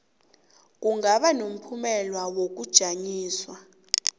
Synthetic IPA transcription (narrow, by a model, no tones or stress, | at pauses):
k̬uŋɡaɓanom̩pʰumɛlwawok̬ud̥ʒ̥ʱaɲiːswa